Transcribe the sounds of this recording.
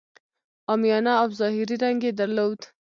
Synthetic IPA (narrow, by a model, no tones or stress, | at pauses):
ɑmijɑnɑawzɑhɪɾiɾaŋɡed̪aɾlowd̪